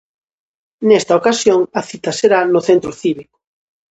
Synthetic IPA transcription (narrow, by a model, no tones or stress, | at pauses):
nest̪ɐokasjoŋɐθit̪ɐseɾanʊθent̪ɾʊθiβikʊ̥